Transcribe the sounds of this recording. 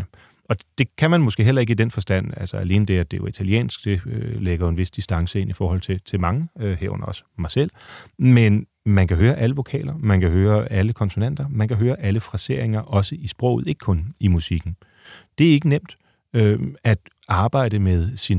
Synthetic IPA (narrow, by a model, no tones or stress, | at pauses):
ə | ɒ̽d̥e̝kʰæmænmɔsɡ̥e̝̰ːɦelɐe̝ɡ̥id̥enfɒ̽sd̥æn̰ælsɒæle̝ːnəd̥e̝æd̥e̝jo̝it͡sʰæliḛːnsɡ̥̚d̥e̝øleɡ̥ɐjo̝e̝nʋe̝sd̥isd̥ɑ̈ŋsəe̝n̰ifɒːhɒ̽l̰t͡sʰe̝t͡sʰe̝lmɑ̈ŋəhḛɐ̰ʊnɐɒ̽smɑ̈ɪsel̰men | mænkʰæɦøːɐʔæləʋo̝kʰɛ̰ːlɐmænkæɦøːɐæləkʰɒ̽nso̝næn̰d̥ɐmænkʰæɦøːɐʔæləfʁɑse̝ɐ̰e̝ŋɐʔɒ̽səʔisb̥ʁɔ̰̽ʊð̩ˠe̝ɡ̥əkʰɔ̽nimusiɡ̥n̩ | d̥e̝æɐe̝ɡ̥ənem̰d̥ | øæd̥ | ɑ̈ːb̥ɑ̈ɪ̰d̥əmeðˠsin